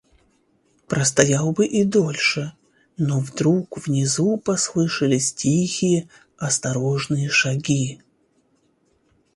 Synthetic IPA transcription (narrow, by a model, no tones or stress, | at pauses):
pɾʔəst̪ɐjalˠbɨʔid̪o̞lʲʂɨ | novd̪ɾukvnʲɪzupɐslˠɨʂɨlʲɪsʲtʲixʲɪjə | ɐst̪ɐɾoʐnɨjəʂɐɡʲi